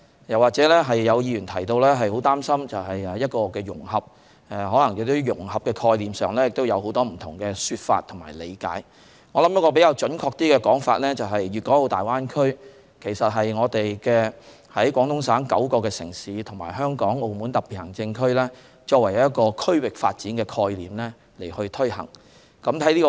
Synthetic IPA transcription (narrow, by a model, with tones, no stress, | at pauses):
jɐ˨˩waː˨t̚t͡sɛː˨˥lɛː˥ɦɐ˨jːɐ˨˧wjiː˨˧jyː˨˩nt̪ʰɐ˨˩jt̪o˧wlɛː˥ɦɐ˨jho˨˥wt̪aː˥msɐ˥mt͡sɐ˨wɦɐ˨jɛ˨jɐ˥t̚kɔː˧kɛː˧jʊ̰˨˩ŋhɐ˨p̚ | ɛ˨˧ɦɔː˨˥lɐ˨˩ŋjɪ˨k̚t̪ʊ˥jʊ˨˩ŋɦɐ˨p̚kɛ˧kʰɔː˧jliː˨msœː˨ŋlɛː˥jɪ˨k̚t̪o˥wjɐ˨˧who˨˥wt̪ɔː˥m̩˨˩t̪ʰʊ˨˩ŋkɛː˧syː˧t̚fa̰ː˧t̪ʰŋma̰ː˨˩lḛ˨˧jka̰ː˨˥j | ŋɔː˨˧lɐ˨˥mjɐ˥t̚kɔː˧pe˨˥kaː˧wt͡ʃɵ˨˥nkʰɔː˧k̚t̪iː˥kɛː˧kɔː˨˥ŋfa̰ː˧t̚lɛː˥t͡sɐ˨wɦɐ˨jɥyː˨t̚kɔː˨˥lo˨˧wt̪aː˨jwaː˥nkʰɵ˥ɥ | kʰe˨˩jsɐ˨t̚ɦɐ˨jŋɔː˨˧t̪e˨jkɛː˧ | hɐ˨˥jkʷwɔː˨˥ŋt̪ʰʊ˥ŋsaː˨˥nkɐ̰˨˥wkɔː˧kɛː˧sɪ̰˨˩ŋsiː˨˥t̪ʰʊ˨˩ŋmaː˨˩jɦœː˥ŋkɔː˨˥ŋo˧wmuː˨˥nt̪ɐ˨p̚i˨t̚hɐ˨˩ŋt͡sɪ˧ŋkʰɵ˥ɥlɛː˥ | t͡ʃɔː˧k̚wɐ˨˩jjɐ˥t̚kɔː˧kʰɵ˥ɥwɪ˨k̚fa̰ː˧t̚t͡siː˨˥nkɛː˧kʰɔː˧jliː˨˩mlɛː˥ | le˨˩jhɵ˧ɥt̪ʰɵ˥hɐ̰˨˩ŋ | kɐ˨˥mt̪ʰɐ˨˥jliː˥kɔ˧